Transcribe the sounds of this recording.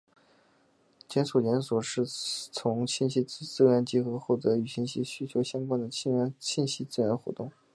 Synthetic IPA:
t͡ɕjɛ˧˥nsu˨˩t͡ɕjɛ˧˥nswɔ˨˩ʂɻ̩˥˩t͡sʰʊ˧˥ŋt͡ɕʰi˥˧nɕi˥˧˥t͡sɹ̩˥˩ɥɛ˧˥nt͡ɕi˧˥xɤ˧˥xwɔ˥˩t̪ɤ˧˥y˨˩ɕi˥nɕi˥ɕy˥t͡ɕʰjo˧˥ʊɕjɑ˥ŋkwa˥nd̪ə˨i˥˧˥ɕʰi˥˧nɕi˥˧t͡sɹ̩˥˩ɥɛ˧˥nxwɔ̰˧˥t̪ʊ˥˩ŋ

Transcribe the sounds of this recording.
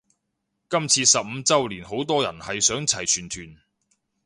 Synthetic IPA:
kɐ˥mt͡sʰiː˧sɐ˨p̚m̩˨˧t͡sɐ˥wliː˨˩nho˨˥wt̪ɔː˥jɐ˨˩nhɐ˨jsœː˨˥ŋt͡sʰɐ˨˩jt͡ʃʰyː˨˩nt̪ʰyː˨˩n

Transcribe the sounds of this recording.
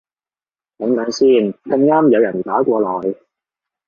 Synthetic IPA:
t̪ɐ˨˥ŋt̪ɐː˨˥ŋsiː˥˩nkɐ˧ŋːaː˥mjɐ˨˧wjɐ˨˩nt̪aː˨˥kʷɔː˧lɔː˨˩j

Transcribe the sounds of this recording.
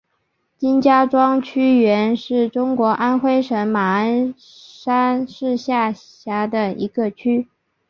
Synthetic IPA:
t͡ɕi˥nt͡ɕja˥ʈ͡ʂwɑ˥ŋt͡ɕʰy˥ɥɛ˧˥nʂɻ̩˥˩ʈ͡ʂʊ˥ŋkwɔ˧˥ʔa˥nxwe˥ɪʂə˧˥ŋma˨˩a˥n | ʂa˥nʂɻ̩˥˧ɕja˥˩ | ɕja˧˥d̪ə˨ḭ˧˥ɡə˧t͡ɕʰy˥

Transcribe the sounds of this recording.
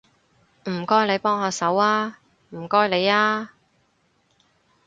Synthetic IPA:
m̩˨˩kɔː˥jle˨˧jpɔː˥ŋhaː˧sɐ˨˥waː˥ | m̩˨˩kɔː˥jle˨˧jaː˥

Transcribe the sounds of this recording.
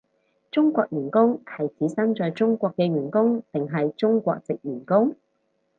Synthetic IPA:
t͡ʃʊ˥ŋkʷɔː˧k̚jyː˨˩nkʊ˥ŋhɐ˨jt͡siː˨˥sɐ˥mt͡ʃɔː˨jt͡sʊ˥ŋkʷɔː˧kːɛː˧ɥyː˨˩nkʊ˥ŋt̪ɪ˨ŋɦɐ˨jt͡ʃʊ˥ŋkʷɔ̰ː˧k̚t͡sɪ˨k̚jyː˨˩nkʊ˥ŋ

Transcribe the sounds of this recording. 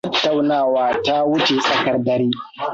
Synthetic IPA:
ɐ˦tːa˨wnaː˦˨waː˦ta˦wʊ˦t͡ʃe˨sʼɐ˦kɐ˨rdɐ˨ɾiː˦

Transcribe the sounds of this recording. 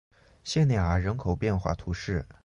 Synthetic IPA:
ɕjɛ˥˧nɛ˥˩a˨˧˩ɻə˧˥nkʰo˨˩ʊpjɛ˥˧nxwa̰˥˩t̪ʰu˧˥ʂɻ̩˥˩

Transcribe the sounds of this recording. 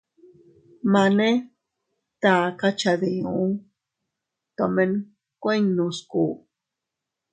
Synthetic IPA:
ma˧ne˦ | t̪a˨ka˦t͡ʃa˧ði˨u˦ | t̪o˨me˦˧n | kʷe˦ɲnũ˧sku˨

